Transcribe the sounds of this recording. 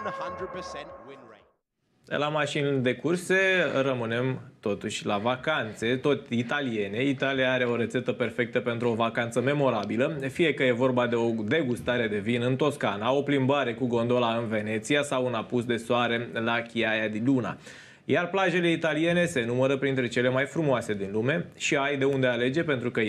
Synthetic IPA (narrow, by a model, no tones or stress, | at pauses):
əhɐ̃nd̪ɹəd̚pəsɛ̃nwɪne | lamaʃind̪e̞kurse̞ɾəmɨne̞mt̪o̞t̪uʃʲlavakant̪se̞t̪o̞t̪ʲit̪alije̞ne̞it̪aliaaɾe̞o̞ɾe̞t̪se̞t̪əpe̞rfe̞k̚t̪əpe̞nt̪ɾuo̞vakant̪səme̞mo̞ɾabiləfije̞kəje̞vo̞rbad̪e̞o̞d̪e̞ɡust̪aɾe̞d̪e̞vinɨnt̪o̞skanao̞plimbaɾe̞kuɡo̞nd̪o̞laɨnve̞ne̞t̪siasawunapusd̪e̞soaɾe̞lakʲiajad̪inluna̰ | jarplaʒe̞le̞it̪alije̞ne̞se̞numəɾəpɾint̪ɾe̞t͡ʃe̞le̞majfɾumoase̞d̪inlume̞ʃiajd̪e̞und̪e̞ale̞d͡ʒe̞pe̞nt̪ɾukə